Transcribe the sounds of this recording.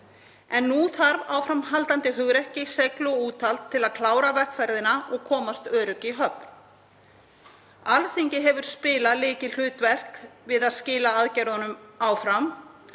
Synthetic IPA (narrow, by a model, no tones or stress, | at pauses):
ɛnːuθaɾvawfɾamɦalt̪ant̪ɪɦʏɣɾɛhcɪseklʏɔuːt̪ʰalt̪ʰːɪlaðkʰlaːwɾavɛr̥kfɛɾðɪnaʔɔɣkʰɔːmast̪œːɾʏciɦœpn | alθiɲcɪɦɛvʏɾ̥spɪːlalɪːcɪl̥ʏːt̪vɛr̥kvɪðaðscɪːlaaðcɛɾðanʏmaːwfɾam